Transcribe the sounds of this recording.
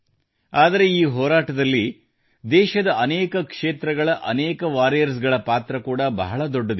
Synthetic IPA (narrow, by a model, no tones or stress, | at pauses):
aːd̪ɐɾe̞iːɦɔːɾaːʈɐd̪ɐlːi | d̪ɛːʃɐd̪ɐʔɐneːkɐkʂe̞ːt̪ɾɐɡɐɭɐʔɐ̰neːkɐʋaːɾijɐɾs̬ɡɐɭɐpaːt̪ɾɐkuːɽɐbɐ̰ɦɐɭɐd̪oɖːɐd̪e